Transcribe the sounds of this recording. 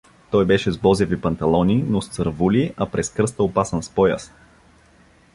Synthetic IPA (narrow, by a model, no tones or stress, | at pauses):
t̪ɔjbɛʃɛzbɔzɛvipɐnt̪ɐlˠɔnʲinost̪səɾvuliʔɐpɾɛskɾɤst̪əopasənspɔja̰s